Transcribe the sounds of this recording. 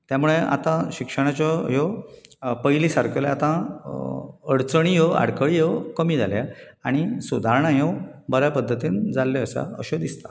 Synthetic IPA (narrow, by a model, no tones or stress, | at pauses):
t̪jamuɭea̰t̪ãɕikʂəɽ̃at͡ɕɔjɔ | pəjlisaɾkʰeleat̪ã | əɽt͡səɳ̃ijɔa̰ɽkəɭijewkəmiːd͡zʱa̰lja | aɽ̃isud̪ʱaɾɳãjewbəɾjapəd̪ʱːət̪iːnd͡zalːeəsa̰ə̰ɕod̪ist̪ḁ